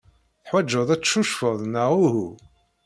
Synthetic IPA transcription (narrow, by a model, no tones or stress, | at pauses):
θħwæd͡ʒːəðˤæt͡sːʃuʃfəðˤnəʁʊhu